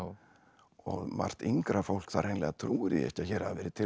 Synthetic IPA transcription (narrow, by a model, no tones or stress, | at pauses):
ɔ̰ɣma̰r̥t̪iŋkɾafowl̥kθaðrejnlɛɣat̪ʰɾuːɪɾjɛ̰ɛ̰hcːaçɛːɾaðavɛːɾɪt̪ʰɪ